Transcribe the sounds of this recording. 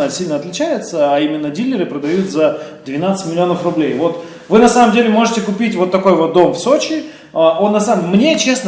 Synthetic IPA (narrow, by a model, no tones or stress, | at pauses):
əsʲilʲnəɐt̪lʲɪt͡ɕæjɪt̪səɐimʲɪnːədʲilʲːɪɾɨpɾəd̪ɐjut̪zəd̪vʲɪnat̪sɨtʲmʲɪlʲɪo̞nəfrʊblʲejvo̞t̪ | vɨnɐsaməmdʲelʲɪmo̞ʐɨtʲɪkʊpʲitʲvo̞t̪ːɐko̞jvo̞t̪̚d̪o̞mfso̞t͡ɕɪ | əʔonːɐsaːnʲe̞t͡ɕe̞snə